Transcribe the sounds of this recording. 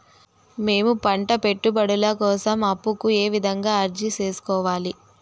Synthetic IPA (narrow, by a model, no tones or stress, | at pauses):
me̞ːmupɐɳʈɐpe̞ʈːubɐɽulɐkɔːsɐmɐpːukue̞ːʋid̪ʱɐŋɡaːɐɾd͡ʒit͡ʃe̞ːsu̥kɔːʋaːli